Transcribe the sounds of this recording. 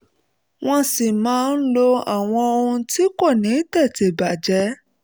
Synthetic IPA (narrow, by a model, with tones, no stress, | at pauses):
w̃ɔ̃˧si˨mãː˨˦˧n̩˦lo˧a˨w̃ɔ̃˧o˧ũ˧ti˦ko˦˨nĩ˨˦tɛ˦˨te˨ba˨d͡ʒɛ˨˦